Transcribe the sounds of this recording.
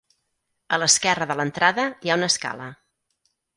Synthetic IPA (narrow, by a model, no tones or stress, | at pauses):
ələskɛrəðələnt̪ɾaðəjaunəska̰lə